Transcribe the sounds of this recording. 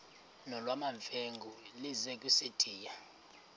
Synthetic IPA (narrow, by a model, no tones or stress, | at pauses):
nɔlwamaɱfeŋɡʱulizɛkʼwised̥ʰʱʼiːja